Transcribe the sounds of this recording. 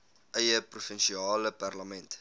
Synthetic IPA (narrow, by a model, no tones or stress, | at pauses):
ʔəjəprufənʃiɑːləpærləmɛnt